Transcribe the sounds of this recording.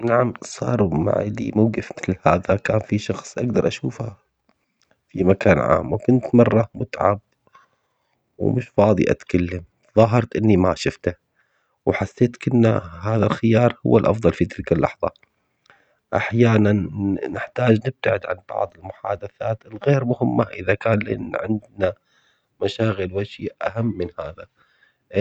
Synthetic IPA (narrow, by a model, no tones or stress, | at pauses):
naʕamsˤɑ̰ːɾˤuma̰ʕ̰lḭmawɡɪfmɪθlhaːðakaːnfiʃɑxsˤʔaɡd̪ɑɾˤʔaʃuːfha | fimakaːnʕa̰ːmwkʊnt̪mɑrˤːɑmʊt̪ʕa̰b̚ | wmʊʃfɑːd̪ˤḭʔa̰t̪kalːam | ðˤɑːɦɑɾˤt̪ʔɪnːimaʃʊft̪a | wħasːeːt̪kɪnːahaːðalxɪjɑːɾˤhʊ̰wːalʔɑ̰fðˤɑlfit̪ɪlkalːɑ̰ħðˤɑ | ʔaħjaːnanːɪħt̪aːd͡ʒnɪb̚t̪aʕɪd̪ʕanbɑ̰ʕðˤɪlmʊħa̰ːd̪aθaːt̪ɪlɣeːɾmʊhɪmːaʔɪðakaːnlʔa̰nːʕɪnd̪na | maʃaːɣɪlwaʃɪʔʔaɦamːɪnhaːða